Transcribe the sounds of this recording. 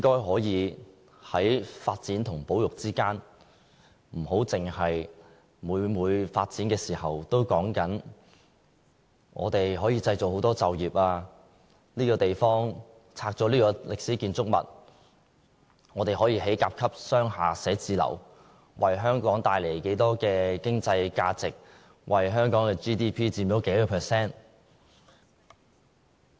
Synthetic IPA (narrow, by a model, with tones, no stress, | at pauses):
ɪ˥ŋkɔː˥jɦɔː˨˥jiː˨˧ | hɐ˨˥jfaː˧t̚t͡siː˨˥nt̪ʰʊ˨˩ŋpo˨˥wjʊ˨k̚t͡siː˥kaː˥n | m̩˨˩ɦo˨˥wt͡sɪ˨ŋhɐ˨j | muː˨˧jmuː˨˧jfaː˧t̚t͡siː˨˥nkɛː˧siː˨˩hɐ˨wt̪o˥wkɔː˨˥ŋkɐ˨˥n | ʔɔ̰ː˨˧t̪e˨jɦɔː˨˥jiː˧t͡sɐ˧jt͡so˨who˨˥wt̪ɔː˥t͡sɐ˨wjiː˨p̚aː˧ | liː˥kɔː˧t̪e˨jfɔː˥ŋ | t͡sʰaː˧k̚t͡ʃɔː˨˧˥liː˥kɔː˧lɪ˨k̚siː˨˥kiː˨nt͡sʊ˥k̚mɐ̰˨˩t̚ | ŋɔː˨˧t̪e˨jɦɔː˨˥jiː˧ɦe˨˥jkaː˧p̚kʰɐ˥p̚sœː˥ŋɦaː˨sɛː˨˥t͡siː˨˧lɐ̰˨˩w | wʔɐ˨jɦœː˥ŋkɔː˨˥ŋt̪aː˧jle˨˩jke˨˥jt̪ɔː˥kɛː˧kɪ˥ŋt͡sɐ˧jkaː˧t͡sɪ˨k̚ | wʔɐ˨jɦœː˥ŋkɔː˨˥ŋkɛː˧t͡ʃiː˥t̪iː˥pʰiː˥t͡siː˧mo˨˥wke˨˥jkɔː˧pʰɛː˨sɛː˥n